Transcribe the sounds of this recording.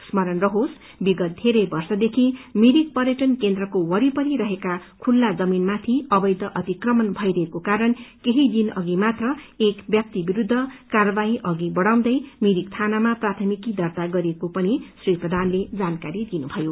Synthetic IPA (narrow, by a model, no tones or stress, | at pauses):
smʌɾʌnrʌɦos | biɡʌt̪̚d̪ʱeɾʌjbʌrsʌd̪ekʰimiɾik̚pʌɾjeʈʌnkend̪rʌkowʌɾipʌɾiɾʌɦekakʰulːad͡zʌminmat̪ʰiʌbʌjd̪ʱʌʔʌt̪ikrʌmʌnbʱʌjɾʌɦekokaɾʌnkeɦid̪inʌ̰ɡimat̪rʌekbjʌk̚t̪ibiɾud̪ʱːʌkarʌbaiʔʌɡibʌɽaw̃d̪ʌjmiɾik̚t̪ʰanamaprat̪ʰʌmikid̪ʌrt̪aɡʌɾiekopʌnisriprʌd̪ʱanled͡zankaɾid̪inubʱʌjo